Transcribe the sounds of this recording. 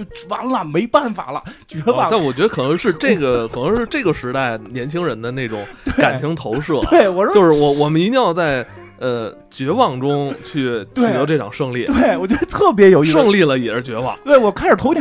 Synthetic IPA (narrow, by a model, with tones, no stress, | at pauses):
wa˧˥nlə˨me˧˥ɪpa˥˩nfa̰˨˩lə̰˦t͡ɕɥɛ˧˥wɑ˧˥˩t̪a˥˩nwɔ˨˩t͡ɕɥɛ˧˥d̪ə˧kʰɤ˨˩nɤ˧˥ŋʂɻ̩˥˧ʈ͡ʂe˥˩ɡə˩kʰɤ˨˩n˧˥ŋʂɻ̩˥˧ʈ͡ʂɤ˥˩ɡə˩ʂɻ̩˧˥t̪a˥˩ɪnjɛ˧˥nt͡ɕʰi˥ŋɻə˧˥nd̪ə˧ne˥˩ɪʈ͡ʂʊ̰˨˧˩ŋwe˥˩ka˨˩nt͡ɕʰi˧˥ŋt̪ʰo˧˥ʊʂɤ˥˩t̪we˥˩ɪwɔ˨˩˥jo˧ʊʂɻ̩˥˧˩wɔ˧˥˩wɔ˨˩mə˦ni˧˥t̪i˥ŋjɑ˥˧ʊt͡sa˥˩ɪ | ə˧ | t͡ɕɥɛ˧˥wɑ˥˩ŋʈ͡ʂʊ˥ŋt͡ɕʰy˥˩t͡ɕ̪ɛ˥˨˩ɛ˧˥ʈ͡ʂɤ˥˩ʈ͡ʂʰɑ̰˨˩ŋʂɤ˥˧ŋli˥˩t̪we˥˩ɪwɔ˨˩t͡ɕɥɛ˧˥d̪ə˧t̪ʰɤ˥˩p̬jɛ˧˥jo˨˩ʊi˧ʂɤ˥˧ŋli˥˩lə˩jɛ˨˩˥t͡ɕɥɛ˧˥wɑ̰˨˩˦ŋt̪we˥˩ɪwɔ˨˩kʰa˥˩nʂ̩˨˩tʰʊ˥t̪ʰ